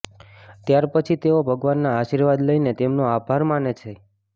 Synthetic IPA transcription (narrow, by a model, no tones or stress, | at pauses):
t̪jaɾpət͡ʃʰit̪eobʱəɡʋanːaːʃiɾʋad̪ləinet̪emnoabʱaɾmanet͡ʃʰe